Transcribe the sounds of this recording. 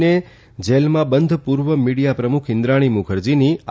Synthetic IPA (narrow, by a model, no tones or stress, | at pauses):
ne | d͡ʒelmãbənd̪ʱpuɾʋəmiɽijapɾəmukʰɪ̃nd̪ɾaɽ̃imukʰəɾd͡ʒini